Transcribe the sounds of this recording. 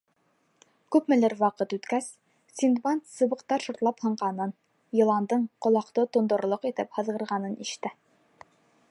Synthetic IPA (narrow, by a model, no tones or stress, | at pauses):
kʉpmɘ̆lɘɾwɑqɤt̪ʉt̪kæs | sʲind̪bant̪sɤ̆βɤ̆qt̪ɑɾʃŏɾt̪lˠɑphɤ̆ɴɢɑnɤn | jɤ̆lˠɑnd̪ɤɴqŏlˠɑqt̪ɤt̪ŏnd̪ŏɾlˠoqit̪ɘphɤ̆ðʁɤ̆ɾʁɑnɤnʔiʃt̪ɘ